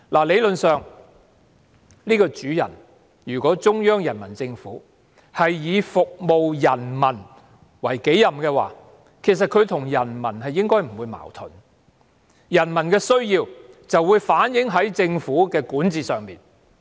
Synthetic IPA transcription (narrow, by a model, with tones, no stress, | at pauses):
laː˨˩le˨˧jlɵ˨nsœː˨ŋ | liː˥kɔː˧t͡ʃyː˨˥jɐ̰˨˩n | jyː˨˩kɔː˨˥t͡sʊ˥ŋjœː˥ŋjɐ˨˩nmɐ˨˩nt͡sɪ˧ŋfṵː˨˥ | hɐ˨jːiː˨˧fʊ˨k̚mo˨wjɐ˨˩nmɐ˨˩n | wɐ˨˩jke˨˥jɐ˨mkɛː˧wa̰ː˨ | kʰe˨˩js̬ɐ˨t̚kʰɵ˨˧ɥt̪ʰʊ˨˩ŋjɐ˨˩nmɐ˨˩nhɐ˨jːɪ˥ŋkɔː˥jm̩˨˩wuː˨˧jma̰ː˨˩wt̪ʰɵ̰˨˩n | jɐ˨˩nmɐ˨˩nkɛː˧sɵ˥ɥjiː˧wt͡sɐ˨wːuː˨˧jfaː˨˥njɪ˨˥ŋɦɐ˨˥jt͡sɪ˧ŋfuː˨˥kɛː˧kuː˨˥nt͡siː˨sœː˨ŋmiː˨n